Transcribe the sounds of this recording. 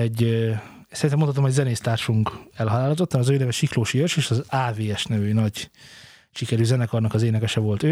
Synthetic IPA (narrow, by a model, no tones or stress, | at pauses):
ɛɟ̪ː | sɛɾinɛmoɑt̪omhoɟzɛneːst̪aːrʃuŋkɛlɦɒlaːlɒt̪ot̪ːɒnɒzøːnɛvɛʃikloːʃiørʃeːʃɒzaːveːɛʃnɛvøːnɒɟ | ʃikɛɾyːzɛnɛkɒrnɒkɒzeːnɛkɛʃɛvo̞lt̪øː